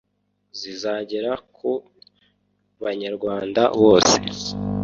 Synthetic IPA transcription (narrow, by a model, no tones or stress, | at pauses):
zizaɟe̞ɾakʰu | βaɲaɾɡwaːndaβo̞ːse̞